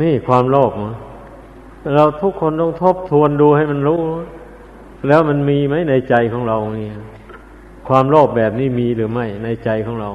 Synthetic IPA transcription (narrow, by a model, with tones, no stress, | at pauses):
niː˥˩kʰwaː˧mlɔː˥˩p̚ma˧˥ | ɾa˧wt̪ʰu˦˥kʰːo˧nt̪ɔ˥˩ŋt̪ʰo˦˥˩p̚t̪ʰu˧ənduː˧ha˥˩jma˧nɾuː˥˨ | lɛː˦˥wma˧nmiː˧ma˦˥˩jna˧jt͡ɕa˧jkʰɔː˩˥˦ŋɾa˧wni˧˩ | kʰwaː˧mlɔː˥˩p̚bɛː˨˩p̚niː˥˩miː˧lɯː˩˦ma˥˩jna˧jt͡ɕa˧jkʰɔː˧˩˥ŋɾa˧w